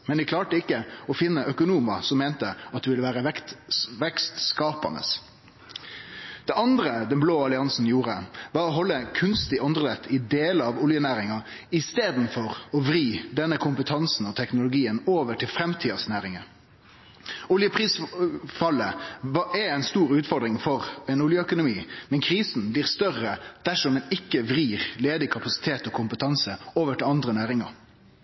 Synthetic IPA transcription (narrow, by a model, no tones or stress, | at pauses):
mɛnd̪ɪkʰlɑːʈəɪkːəɔfɪnːəʔœkʊnuːmɑsɔmːɛːnt̪əɑt̪d̪ɛʋɪləʋæːɾəɛʋɛkst̪skɑːpɑ̰nə̰s | d̪̥ɛʔɑnd̪ɾəd̪ɛnbloːɑlɪɑnsn̩juːɾəʋɑɾɔɦɔlːəkʰʉnst̪ɪʔɔnd̪ʁəlɛt̪ʰːɪd̪eːləɑʋʊljənæːɾɪŋɑ | ɪst̪eːd̪n̩fɔɾɔʋɾiːd̪ɛnːəkʰʊmpət̪ʰɑnsn̩ɔt̪ʰɛknʊlʊɡiːənoːʋəʈʰɪlfɾɛmt̪ʰiːɑsnæːɾɪŋə | ʊljəpʰɾiːsfɑlːəɛɛɪnst̪uːʁʉːt̪fɔɖ̪ɾɪŋfɔʁɛnʊljəœkʊnʊmiːmɛnkʰɾiːsn̩bliːʁst̪œrəd̪̥æʂɔmːɛnɪkːəʋɾiːʁleːd̪ɪkʰɑpɑsɪ̥t̪ʰeːt̪ɔkʰʊmpət̪ʰɑnsəoːʋəʈɪlɑnd̪ʁənæːɾɪŋɑ̰ɾ